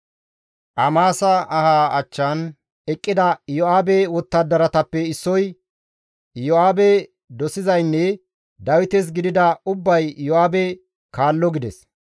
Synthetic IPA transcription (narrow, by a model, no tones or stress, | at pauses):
ʔɐmaːsɐɐhaːʔɐt͡ʃːɐn | ɛkʼːɪd̪ɐjɔaːbɛwɔt̪ːɐd̪ːɐɾɐt̪ɐpːɛɪsːɔj | jɔaːbɛ | d̪ɔsɪzɐjnːɛ | d̪ɐwɪt̪ɛs̬ɡɪd̪ɪd̪ɐʊbːɐjjɔʔaːbɛ | kaːlːɔɡɪd̪ɛs